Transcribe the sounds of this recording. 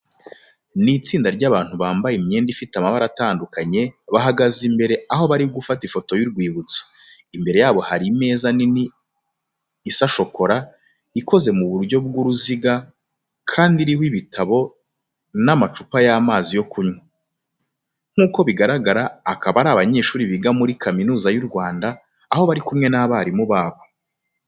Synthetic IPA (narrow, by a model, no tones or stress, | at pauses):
nit͡siːndaɾɟaβaːn̥huβaːmbajimɲeːndifitamaβaɾataːndukaɲe̞βaɦaɡazimbe̞ɾe̞aɦo̞βaɾibɡufatifo̞to̞juɾɡwiːβut͡so̥ | imbe̞ɾe̞jaːβo̞haɾime̞ːzanini | saʃo̞ko̞ɾa | iko̞ze̞muβuɾɟo̞b̚ɡuɾuziɡa | kʰaːndiɾihwiβitʰaβo̞ | namat͡ʃupajaːmaːzijo̞kuɲwa | ŋ̥uːko̞βiɡaɾaɡaɾaːkaβaɾaːβaɲe̞ːʃuːɾiβiɡamuɾikʰaminuːzajuɾɡwaːndaː | ho̞βaɾikumŋe̞naβaɾimuβaːβo̞